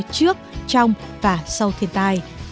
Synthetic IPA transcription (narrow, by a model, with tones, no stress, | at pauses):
t͡ɕɨ˦˥ək̚t͡ɕɔ˧wŋ͡mvaː˨˩sa˧wt̪ʰi˧˩ənt̪aː˧j